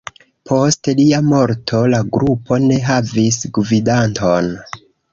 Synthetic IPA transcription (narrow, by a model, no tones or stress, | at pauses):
pʰo̞stliamo̞ɾtʰo̞laɡɾupʰo̞ne̞ɦavisɡvidanto̞n